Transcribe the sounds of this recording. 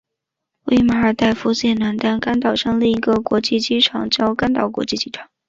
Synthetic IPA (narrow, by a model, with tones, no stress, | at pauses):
wḛ˥˩ɪma˧˥ə˞˨˩t̪a˥˩ɪfu˥ɕjɛ˥˩nna˧˥nt̪a˥nka˥nt̪̬ɑ˥˩ʊʂɑ˥˧ŋli˥˩i˧˥ɡə˧kwɔ˧˥t͡ɕi˥˩t͡ɕi˥˩ʈ͡ʂʰɑ˨˩ŋt͡ɕjɑ˥ʊka˥nt̪ɑ˥˩ʊkwɔ̰˧˥t͡ɕi˥˩t͡ɕi˥ʈ͡ʂʰɑ̥˨˩˦ŋ